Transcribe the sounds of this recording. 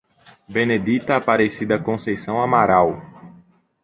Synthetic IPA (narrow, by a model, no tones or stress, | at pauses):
bẽned̪it̪ɐːpaɾesid̪ɐkõsejsɐ̃w̃amaɾaw